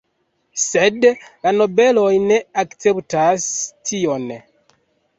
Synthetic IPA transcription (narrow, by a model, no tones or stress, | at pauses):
sedlanobelojneakt͡septastʰion